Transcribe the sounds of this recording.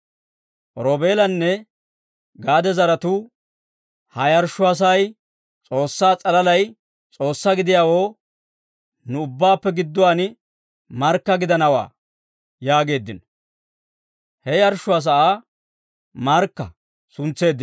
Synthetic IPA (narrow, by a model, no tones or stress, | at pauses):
ʔɾoːbe̞ːlɐnːɛ | ɡaːd̪ɛzɐɾɐt̪u | hɐjɐɾʃːʊɐs̬ɐj | t͡sʼo̞ːsːaːt͡sʼɐlɐlɐj | t͡sʼo̞ːsːaɡɪd̪ɪjaːwoː | nʊʊbːaːpːɛɡɪd̪ːʊwaːn | mɐɾkːɐɡɪd̪ɐnɐwa̰ː | jaːɡe̞ːd̪ːɪn | hɛjɐɾʃːʊas̬ɐʔaː | mɐɾkːɐ | sʊnt͡sːe̞ːd̪ːɪn